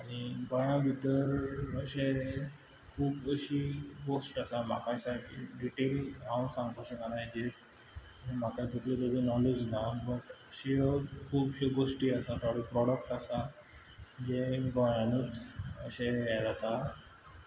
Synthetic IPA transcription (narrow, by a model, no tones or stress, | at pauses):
aɽ̃iɡɔjãbʱit̪əɾəɕe | kʰuːbəɕiɡosʈasam̤a̰kasaʈḭɖiʈelɦãsãŋɡt̪ot͡ɕẽkanajd͡ʑet̪ | m̤akad̪ʱet̪let̪əd͡zenɔled͡ʑnabəʈəɕiəkʰuːbɕeɡoʂʈiːəsat̪aɽipɾɔɽək̚ʈasa | d͡ʑeɡɔjãnət̪ə̰ɕeɛd͡zat̪a